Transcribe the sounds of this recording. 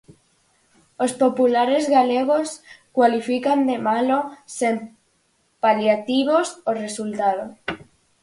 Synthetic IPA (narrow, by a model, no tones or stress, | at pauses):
ospopulaɾezɣaleɣ̞oskwalifikand̪e̞malosem | paljat̪iβ̞osore̞sult̪aðo